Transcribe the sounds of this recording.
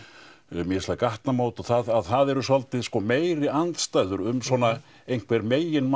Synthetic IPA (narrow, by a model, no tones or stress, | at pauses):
mɛslakaht̪namoːwt̪ɔθaðaðθaðɛɾʏsɔlt̪ɪðskɔmeːjɾɪant̪st̪ajðʏɾʏmsɔna | ejŋ̥kʰvɛɾmeːjɪnm